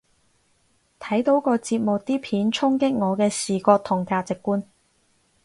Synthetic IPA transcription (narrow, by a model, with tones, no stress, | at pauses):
t̪ʰɐ˨˥jt̪o˨˥wkɔː˧t͡siː˧p̚mʊ˨k̚t̪iː˥pʰiː˨˥nt͡sʰʊ˥ŋkɪ˥k̚ŋɔː˨˧kɛː˧siː˨kɔː˧k̚t̪ʰʊ˨˩ŋkaː˧˥t̚t͡sɪ˨kːuː˥n